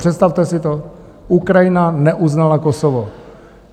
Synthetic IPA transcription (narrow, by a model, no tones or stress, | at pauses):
r̝̥ɛt̪st̪aft̪ɛsɪt̪o | ʔukɾajɪnanɛʔuznalakosovo